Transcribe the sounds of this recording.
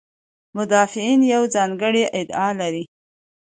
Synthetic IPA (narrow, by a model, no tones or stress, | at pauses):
mʊd̪ɑfɪinjawzɑŋɡəɽiʔɪd̪ɑlaɾi